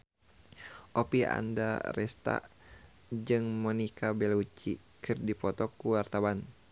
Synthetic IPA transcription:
ʔopia̰nda̰rɛst̪a̰ʔ | d͡ʒɨŋmɔnikʰabɛlut͡ʃi | kɨrdipɔt̪ɔkuwart̪awan

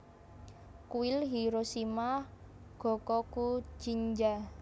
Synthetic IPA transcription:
kuɪlɦiɾosimah | ɡ̥ɔ̤kɔku̥d͡ʒ̥iɲd͡ʒa

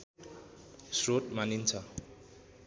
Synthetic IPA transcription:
sroʈmanint͡sʰʌ

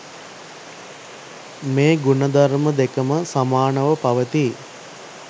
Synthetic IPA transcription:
meːɡunəd̪aɾməd̪ekəməsamaːnəʋəpaʋət̪i

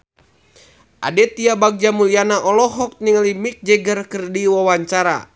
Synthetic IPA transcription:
ʔa̰dɛt̪iabaɡ̚d͡ʒamulianaʔɔlɔɦɔk̚niŋalimik̚d͡ʒɛɡərkərdiwawaɲt͡ʃaɾa̰

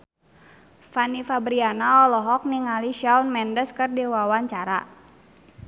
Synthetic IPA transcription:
fanifabɾianaɔlɔɦɔk̚niŋaliʃawnmɛndəskɨrdiwawaɲt͡ʃaɾa̰

